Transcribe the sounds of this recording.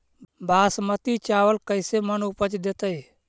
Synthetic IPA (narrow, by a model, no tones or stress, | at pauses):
baːsmət̪it͡ʃaːʋəlkəɪsemənupət͡ʃd̪et̪əj